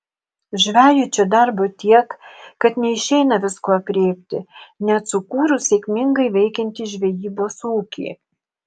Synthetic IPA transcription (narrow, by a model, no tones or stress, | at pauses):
ʒʲʋʲæːjut͡ʃʲoːd̪ɐɾbot̪ʲiɛkkɐt̪nʲɛɪʃʲɛɪnɐʋʲɪskoːɐpʲɾʲeːpʲt̪ʲɪnʲɛt̪sʊkuːɾʊsʲekʲmʲɪŋɡɐɪʋʲɛɪkʲɛnʲt̪ʲiːʒʲʋʲɛjiːboːsuːkʲḛː